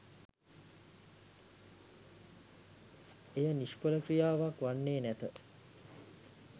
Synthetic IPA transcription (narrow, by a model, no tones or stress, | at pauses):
ejəniʃpələkɾijaːʋakʋanːeːnæt̪ə